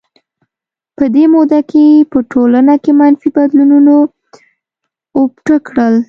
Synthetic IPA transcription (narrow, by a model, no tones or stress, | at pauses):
pəd̪emod̪akepəʈʰolanakemanfibad̪lununo | opʈəkɽəl